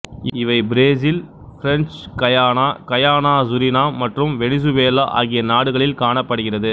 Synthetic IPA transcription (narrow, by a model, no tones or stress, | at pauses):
ɪʋɐɪbɪɾeːs̬ɪl | fɪɾɛnt͡ʃkɐjaːnaːkɐjaːnaːsʊɾɪnaːmɐʈrɯmʋɛɽɪs̬ɯʋeːlɐʔa̰ːɣɪjɐnaːɽɯɣɐɭɪlkaːɳɐpːɐɽɯɣɪrɐðɯ